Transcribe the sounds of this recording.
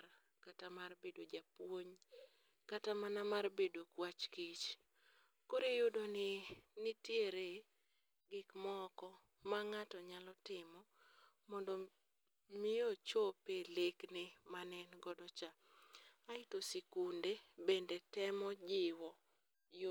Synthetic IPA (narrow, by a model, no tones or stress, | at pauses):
katamarbedod͡ʒapwoɲ | katamanamarbedokwat͡ʃkit͡ʃ | koɾejʊdonɪnɪtjeɾe | ɡɪkmɔkɔ | maŋatɔɲalɔtɪmɔ | mɔndɔ | mɪjot͡ʃopeleknɪmanɛnɡɔdɔt͡ʃa | aɪtosekundebendetɛmɔd͡ʒɪwɔ | j